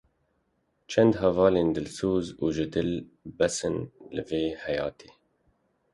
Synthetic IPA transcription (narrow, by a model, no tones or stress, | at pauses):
t͡ʃʰɛnd̪hɛvɑːleːnd̪ɨlsuːzuːʒɨd̪ɨlbɛsɨnlɨveːhɛjɑ̰ːt̪ʰeː